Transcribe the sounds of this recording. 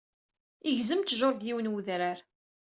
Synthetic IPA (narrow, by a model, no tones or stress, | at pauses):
iʝzəmt̪ʒoɾˤɡ̪jiwnwuðɾaɾ